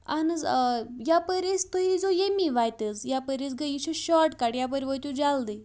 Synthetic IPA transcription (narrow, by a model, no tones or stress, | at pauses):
anəd͡zjapəɾet͡st̪əɦid͡zojemiʋajt̪ət͡sjapəɾet͡sɡəit͡ɕuɕɔʈkaɽjap̬əɾʋət̪ud͡zald̪e